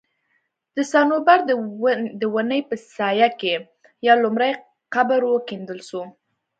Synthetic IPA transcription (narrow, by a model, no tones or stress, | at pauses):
d̪̥əsɑnobaɾd̪d̪əwanəjpəsɑjake | jɑlʊmɾaj | qabəɾwəkend̪əlʃu